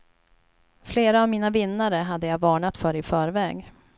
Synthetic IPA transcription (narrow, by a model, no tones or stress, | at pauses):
fleːɾaːvmiːnavɪnːaɾəɦad̪ːəjavɑːɳat̪fœːɾɪfœːɾvɛːɡ